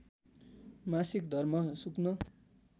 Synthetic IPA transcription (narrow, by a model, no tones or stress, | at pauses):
masikd̪ʱʌrmʌsuknʌ